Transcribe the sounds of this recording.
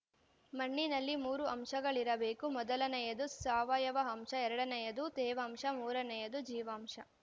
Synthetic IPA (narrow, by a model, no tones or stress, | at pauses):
mɐɳːinɐlːimuːɾuɐmʂɐɡɐɭiɾɐbeːkumɔd̪ɐlɐnɐjɐd̪usaːʋaːjɐʋɐɦɐmʂɐɛɾɐɽɐnɐjɐd̪ut̪ɛːʋɐːmʂɐmuːɾɐnɐjɐd̪ud͡ʒiːʋaːmʂɐ